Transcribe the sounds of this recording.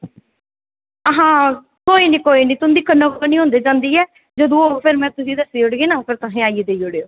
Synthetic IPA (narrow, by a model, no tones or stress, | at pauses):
əɦãː | koːiːnĩːkoːiːnĩːt̪ʊ̃nd̪iːkənokːəniːɦõːnd̪eːd͡ʒãːnd̪iːɛː | d͡ʒəd̪õːoːpʰɪɾmɛ̃ːt̪ʊsiːd̪əsiːʊɽɡeːnaːpʰɪɾt̪aɦẽːaːied̪eːioɽeːoː